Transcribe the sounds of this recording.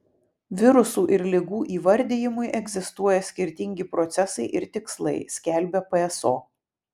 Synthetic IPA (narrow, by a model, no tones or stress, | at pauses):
ʋʲɪɾʊsuːʔɪɾlʲɪɡuːʔiːʋɐɾʲd̪ʲejɪmʊɪʔɛɡʲzʲɪst̪uɔjɛsʲkʲɪɾʲt̪ʲɪŋʲɡʲɪpɾɔt̪sʲɛsɐɪʔɪɾt̪ʲɪkslˠɐɪsʲkʲɛˑlʲbʲɛpɛɛsoː